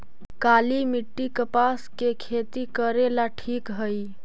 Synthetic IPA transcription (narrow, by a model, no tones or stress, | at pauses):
kalimiʈːikəpaskekʰet̪ikəɾelaʈʰikɦəj